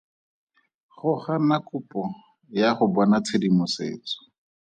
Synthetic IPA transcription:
χʊχanakʊpɔ | jaχʊbɔnat͡sʰedimʊsḛːt͡sɔ̥

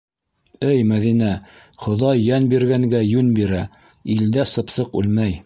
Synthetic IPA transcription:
ɘjmæðinæ | χŏðɑjːænbiɾɡæŋɡæjʉnbiɾæ | ild̪æsɤ̆psɤqʉ̰lmæj

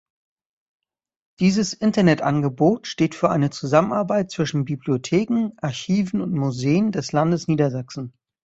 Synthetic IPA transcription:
d̥iːzəsʔɪntɐnɛtʔanɡəboːtʃteːtfyːɐʔa̰ɪnət͡suzamənaɐbaɪt̚t͡sv̥ɪʃn̩bibliotʰeːkŋ̩ʔaɐçiːvn̩ʊntmuzeːəndɛslandəsniːdɐzaksn̩

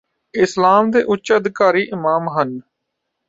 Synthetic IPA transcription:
ɪslaːmd̪eːʔʊt͡ʃːəd̪kaːɾiːʔɪmaːmɦən

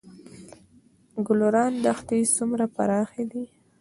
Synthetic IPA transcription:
ɡʊloɾɑnd̪axt̪isumɾapa̰ɾɑxed̪i

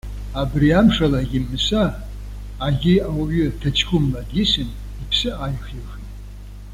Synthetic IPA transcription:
abriamʂalaɡʲɪmɨsaː | ɡʲɪawaɥɪtʰat͡ʃʰkʷʰʼʊmladjɪsɨn | ipʰsɨajχixitʼ

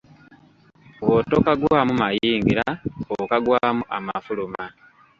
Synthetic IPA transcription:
wotokaɡwaːmumajiːŋɡiɾaokaɡwaːmuʔama̰fuluma

